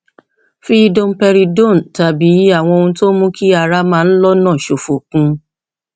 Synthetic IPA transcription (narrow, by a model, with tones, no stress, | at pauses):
fi˦i˧dõ˧m̩˦pɛ˧ɾi˧do˦˨n̩˨ta˨bi˨˦a˦˨w̃ɔ̃˧o˧ũ˧to˦mũ˦ki˦a˧ɾa˧mãː˦˧n̩˦lɔ˦nãː˦˨ʃo˨fo˨kũ˧